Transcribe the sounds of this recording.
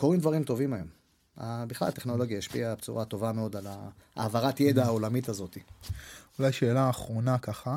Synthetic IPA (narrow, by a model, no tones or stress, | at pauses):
ko̞ʁimd̪vaʁimt̪o̞vimajo̞m | a̰biχla̰lat̪e̞χno̞lo̞ɡjaheʃpiabet͡suʁat̪o̞vameo̞d̪alaa̰ːvaʁat̪jed̪aao̞lamit̪azo̞t̪iulajʃeːlaːχʁo̞nakaχa